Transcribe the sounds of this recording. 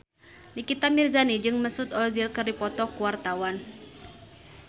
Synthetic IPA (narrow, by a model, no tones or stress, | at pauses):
nikit̪amirzanid͡ʒɨŋməsut̪ɔd͡ʒilkɨrdipɔt̪ɔkuwart̪awan